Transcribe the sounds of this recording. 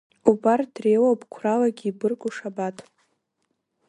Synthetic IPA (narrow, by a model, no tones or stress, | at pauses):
ubardrejwapʼkʷʰralaɡʲibɨrkʷʼuʂabatʰʼ